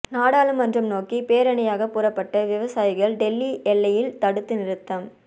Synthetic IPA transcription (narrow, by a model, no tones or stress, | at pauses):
naːɽaːlɯmːɐndrɐmnoːkipeːɾɐɳɐjaːɣɐpːʊrɐpːɐʈːɐʋɪʋɐsaːjɪɣɐɭɖɛlːiʔɛlːɐjɪlt̪ɐɽɯt̪ːɯnɪɾɯt̪ːɐm